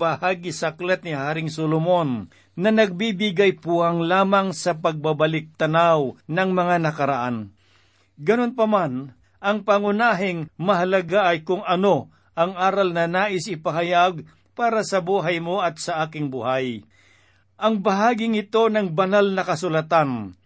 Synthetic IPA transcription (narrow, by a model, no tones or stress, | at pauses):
bɐhaːɡɪsaklat̪̚nɪhaːɾɪŋsolomo̞nː | ɐnɐɡ̚bibɪɡajpuaŋlaːmɐŋsɐpɐɡ̚babɐlɪk̚t̪ɐnawnɐŋmɐŋanɐkɐɾaʔan | ɡɐnonpɐman | ʔɐŋpɐŋʊnaːɦɪŋmɐɦɐlɐɡaʔɐjkʊŋɐno̞ | ʔɐŋaːɾɐlnɐnaːʔɪsɪpɐɦɐjaɡ̚ | paːɾɐsɐbuːɦɐjmoʔɐt̪̚sɐʔaːkɪŋbuhaj | ʔɐŋbɐɦaːɡɪŋɪt̪o̞nɐŋbɐnalnɐkɐsʊlɐt̪an